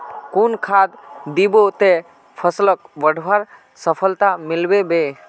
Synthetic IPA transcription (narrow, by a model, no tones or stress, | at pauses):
kunkʰad̪d̪ibot̪e | pʰəslək̚ʋəɖʱʋaɾ | səpʰəlt̪amɪlbebe